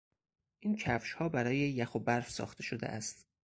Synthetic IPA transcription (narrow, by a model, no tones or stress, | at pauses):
ʔiːncʰæfʃhɒːbæɾɒːjejæxobæɾfsɒ̰ːxt̪ʰe̞ʃod̪ḛʔæst̪